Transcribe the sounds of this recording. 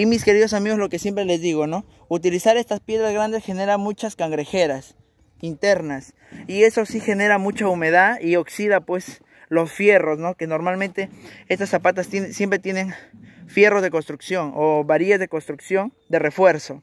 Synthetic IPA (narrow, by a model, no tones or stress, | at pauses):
imiske̞ɾiðo̞samiɣo̞zlo̞ke̞sje̞mpɾele̞zðiɣo̞no̞ | ut̪ilisaɾe̞st̪aspje̞ðɾazɣɾand̪e̞sxe̞ne̞ɾamut͡ʃaskaŋɡɾe̞xeɾas | int̪e̞ɾnas | ie̞so̞sixe̞ne̞ɾamut͡ʃaume̞ðaðio̞ksiðapwe̞s | lo̞sfje̞ro̞sno̞ke̞no̞ɾmalmẽnt̪e̞est̪asːapat̪ast̪nsje̞mpɾe̞t̪je̞ne̞nfje̞ro̞zðeko̞nst̪ɾuksjo̞noβaɾiezðeko̞nst̪ɾuksjo̞n | d̪e̞re̞fwe̞ɾso̞